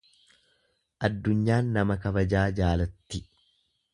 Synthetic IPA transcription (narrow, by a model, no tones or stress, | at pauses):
ʔɐd̪ːʊɲːaːnːɐmɐkɐbɐd͡ʒaːd͡ʒaːlɐt̪ːɪ